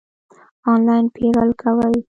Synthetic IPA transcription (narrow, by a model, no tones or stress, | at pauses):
ɑnlɑjɪnpʰeɾəlkʰawəj